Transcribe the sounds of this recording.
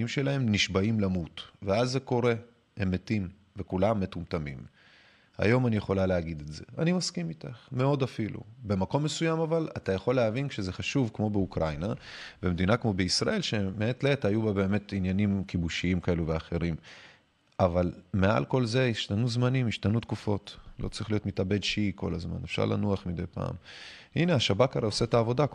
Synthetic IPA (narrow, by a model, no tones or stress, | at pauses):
imʃe̞lae̞mniʃbaimlamutveazːe̞ko̞ʁe̞ | emetim | ve̞kulamːe̞tumt̪amḭm | a̰jo̞manijeχo̞laleaɡid̪etze̞animaskimitaχme̞o̞dafilṵbe̞mako̞mːesujamavalatajaχo̞lːeavinʃeze̞χaʃuvkmo̞beukʁajnavemedinakmo̞beisʁa̰ʔe̞lʃe̞meetleethajubabe̞ːme̞tinjanimkibuʃiimkae̞luveaχe̞ʁim | ʔavalme̞a̰lko̞lze̞iʃt̪anuzmanimiʃtanut̪kufo̞tlo̞̰t͡sʁiχlijo̞tmitabe̞d̪ʃeiko̞̰lazma̰nefʃa̰ʁlʔa̰nuaχmid̪ejpa̰ːm | ine̞aʃabakaʁeosetaːvo̞da